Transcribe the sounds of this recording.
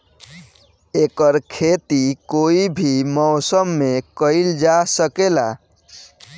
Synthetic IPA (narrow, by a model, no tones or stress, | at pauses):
eːkəɾkʰeːt̪ikoːibʱimɔːsəmːekəɪld͡ʒasəkela̰